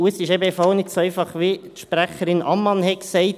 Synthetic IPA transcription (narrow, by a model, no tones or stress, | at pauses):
uəsɪʃɛbəɛfɑlnɪksoɛɪfɑχʋit̪ʃpɾæχəɾɪnʔɑ̰mːɑnhɛksɛɪt